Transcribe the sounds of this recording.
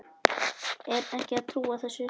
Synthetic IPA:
ɛɾɛhcɪaðt̪ʰɾuːaθɛsːʏ

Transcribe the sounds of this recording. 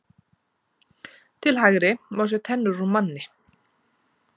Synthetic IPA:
t̪ʰɪlɦaɣɾɪmaws̬œt̪ʰɛnːʏɾumanːɪ

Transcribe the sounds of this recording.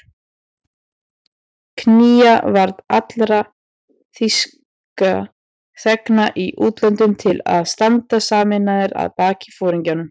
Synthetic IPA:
kʰniːavaɾðat̪lɾa | θis | ka | θɛknaʔiʔuːt̪lœnt̪ʏmt̪ʰɪla̰ðst̪ant̪asaːmɪnaðɪɾa̰ðpaːcɪ̥fɔːɾiɲcanʏm

